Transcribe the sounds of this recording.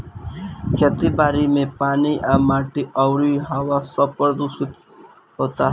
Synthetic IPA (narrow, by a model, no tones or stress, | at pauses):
kʰeːt̪ibaːɾimẽpaːniʔaːmaːʈiəwɽiɦaːwasəb̚pəɾd̪usɪt̪ | ɦoːt̪aɦ